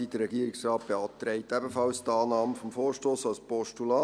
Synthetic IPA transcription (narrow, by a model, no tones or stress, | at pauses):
id̥əɾɛɡiəɾɪksrɑːt̚b̥eɑːt̪ɾɛɪtɛbəfɑlstɑːnɑːməfɔmfoːɾʃtoːsalspɔʃtulɑː